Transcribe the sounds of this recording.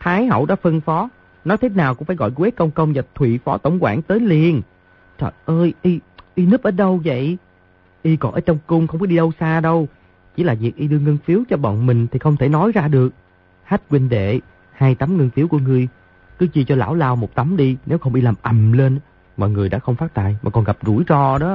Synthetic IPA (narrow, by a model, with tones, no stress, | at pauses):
t̪ʰaː˨˦jhə̰˧˨wɗɔ̰˧˦˥fə˧nfɔ˨˦ | nɔ˨˦jt̪ʰe˨˦naː˨˩wkʊ̰˧˥ŋ͡mfaː˧˩jɣɔ̰˧˨jkwɛ˦˥t̚kə˧wŋ͡mkə˧wŋ͡mza˨˩t̪ʰwḭ˧˨fɔ˨˦t̪ə̰˧˩wŋ͡mkwa̰ː˧˩ŋt̪əː˨˦jli˨˩ən | t͡ɕɔ̰˧˨˩ʔəː˧jʔi˧ʔi˧nɨ˦˥p̚ʔəː˨˦ɗə˧wvə̰˧˨j | ʔi˧kɔ˨˩ʔəː˨˦t͡ɕɔ˧wŋ͡mkʊ˧ŋ͡mxə˧wŋ͡mkɔ˨˦ɗi˧ɗə˧wsaː˧ɗə˧w | t͡ɕḭ˧˥˦laː˨˩vi˨˩ək̚ʔi˧ɗɨ˧əŋə˧nfi˨˦əwt͡ɕɔ˧ɓɔ̰˧˨nmï˨˩ŋ̟t̪ʰi˨˩xə˧wŋ͡mt̪ʰe˧˩nɔ˨˦jzaː˧ɗɨ˨˩ək̚ | haː˦˥t̚kwi˧nɗḛ˧˨ | haː˧jt̪a˨˦mŋə˧nfi˨˦əwku˧˩əŋɨ˨˩əj | kɨ˨˦t͡ɕi˧t͡ɕɔ˧la̰ː˧˩wlaː˧wmo˨˩t̚t̪a˨˦mɗi˧ne˨˦wxə˧wŋ͡mʔi˧laː˨˩mʔə˨˩mle˧n˦ | mɔ̰˨˩ŋɨ˨˩əjɗa̰ː˧˥xə˧wŋ͡mfaː˦˥t̚t̪a̰ː˧˨jmaː˨˩kɔ˨˩nɣa˨˩p̚zṵ˧˩jzɔ˧˩ɗɔ˨˦